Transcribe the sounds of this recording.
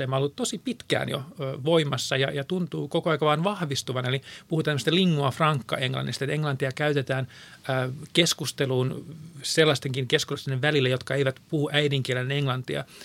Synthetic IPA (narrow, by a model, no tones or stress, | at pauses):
emːɑolːut̪t̪osipit̪kæ̰ːnjo̰ːʋoimɑsːɑjɑjɑt̪unt̪uːkokoɑikɑʋɑːnʋɑhʋist̪uʋɑnelipuhut̪ɑnæmst̪eliŋːuɑfrɑŋkːɑ̰eŋlɑ̰nːist̪et̪eŋlɑnt̪iɑkæyt̪et̪æːnəːkeskust̪eluːnselːɑst̪eŋkiŋkeskusst̪neʋʋælilːejot̪kɑeiʋæt̪puhuʔæidiŋkielenneŋlɑnt̪iɑ̰